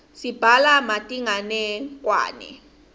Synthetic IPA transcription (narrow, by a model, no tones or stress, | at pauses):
sib̥ʱalamatʼiŋanɛk̬ʼwa̰ːnɛ̰